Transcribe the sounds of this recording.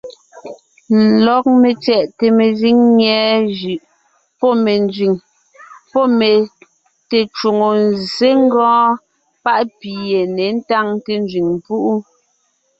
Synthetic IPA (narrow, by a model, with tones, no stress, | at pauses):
lɔ˨˦k̚me˨t͡sɛ˨ʔte˨me˨zi˦ŋɲɛ˨˦ʒʉ˨ʔ | pɔ˦me˨nd͡ʒɥi˨ŋ | pɔ˦me˨ | te˨t͡ʃu˨ŋo˨nze˦ŋ˦ɡɔ̃ː˦ | pa˦ʔpi˨je˨ne˨˦n̩˦ta˦ŋte˦n˦d͡ʒɥi˨ŋm˨pu˦ʔu˦